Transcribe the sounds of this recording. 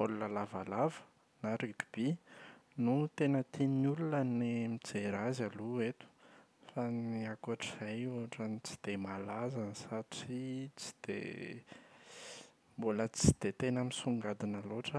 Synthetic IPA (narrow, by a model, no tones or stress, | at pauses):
olunalavalavə̥ | naɾiki̥b̥inut̪enət̪inulunənimid͡zeɾazaluet̪u̥ | faniakaʈ͡ʂiz̥ajuɦaʈ͡ʂanit͡si̥d̪̥emalazansaʈ͡ʂit͡si̥d̪̥ḛ | mbolət͡si̥d̪̥et̪enəmisuŋɡad̪inaloʈ͡ʂə